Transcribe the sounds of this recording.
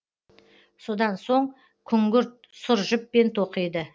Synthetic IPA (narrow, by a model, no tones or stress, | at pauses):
so̞d̪ɑnso̞ɴ | kʲʰʏŋɡʲʏɾt̪̚ | sʊɾʒɪp̚ːe̞nt̪ʰo̞qijd̪ə